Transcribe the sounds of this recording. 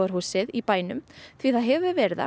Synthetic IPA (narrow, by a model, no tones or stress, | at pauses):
aɾ̥huːsɪðipaːjnʏmθviθaðɦɛvʏvɛɾða̰